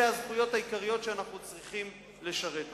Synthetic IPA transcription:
eazχujo̞thajikaʁijo̞tʃeanaχnut͡sʁiχim | le̞ʃaʁe̞t

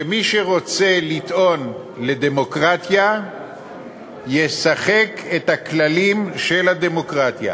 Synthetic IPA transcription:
emiʃeʁo̞t͡se̞lit̪ʔo̞n | le̞d̪e̞mo̞kʁat̪ja | je̞saχe̞kʰet̪haklalimʃelad̪e̞mo̞kʁat̪ja̰

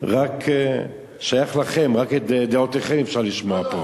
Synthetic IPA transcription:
ʁakʰe | ʃajaχlaχe̞mʁakeed̪eot̪eχemefʃaʁliʃmoapo

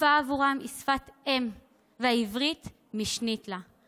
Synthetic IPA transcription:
aːvuʁamʔisfat̪em | veaivʁit̪ | miʃnit̪la

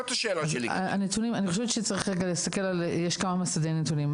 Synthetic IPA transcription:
t̪aʃeːlaliaa̰net̪unimaniχo̞ʃevett͡ʃʃet͡saʁiχʁeɡalest̪ake̞laljeʃkamamasadejnetunim

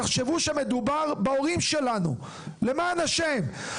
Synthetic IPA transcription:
aχʃe̞vuʃeame̞d̪ubaʁbao̞ʁimʃe̞lanṵ | lemaːnaʃem

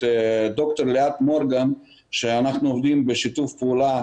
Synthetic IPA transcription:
d̪okt̪oɾleat̪moɾɡan | ʃeanaχnuovd̪imbeʃit̪ufpeula

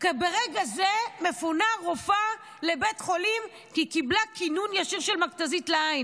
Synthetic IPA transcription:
kebeʁeɡazeme̞funaʁofa | le̞betχo̞lim | kikiblakinunjaʃiʁʃelmaktazitleain

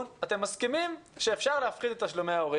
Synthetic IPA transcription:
nat̪emːaskimimʃeːfʃaʁleafχid̪et̪aʃlome̞aoʁi

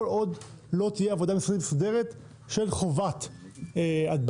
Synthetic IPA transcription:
lʔo̞d̪ | lo̞t̪ijeavo̞d̪amisad̪ilesod̪e̞ʁet̪ | ʃe̞lχo̞vat̪ | ad̪̚b

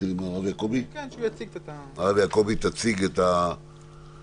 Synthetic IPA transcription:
ɾimaaβeakoβit͡sik̪aaβeakoβit̪at͡siket̪a

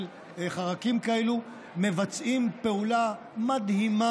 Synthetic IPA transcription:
l | χaʁakimkaelu | me̞vat͡sʔimpe̞ula | mad̪hima

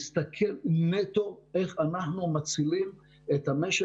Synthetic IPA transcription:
st̪akʰelnet̪o̞ʔe̞χanaħnumat͡silim | et̪hameʃ

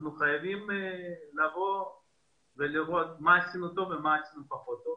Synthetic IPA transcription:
nuχajavimelavo̞ | veliʁo̞t̪̚mat͡sinut̪o̞vemaːt͡sinupaχo̞t̪o

